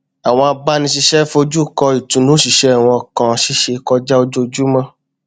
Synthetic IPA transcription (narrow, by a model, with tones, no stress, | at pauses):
a˨w̃ɔ̃˧a˧ba˦nĩ˧ʃi˧ʃɛ˦fo˧d͡ʒu˦˨kɔ˧i˨tũ˨˦nũ˨˦ʃi˧ʃe˧a˨w̃ɔ̃˧˨kã˨˧ʃi˦ʃe˧kɔ˧d͡ʒa˦o˧d͡ʒo˦˧d͡ʒu˦mã˦